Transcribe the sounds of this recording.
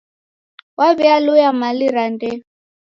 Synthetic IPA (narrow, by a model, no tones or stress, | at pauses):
waβialujamaliɾandɛ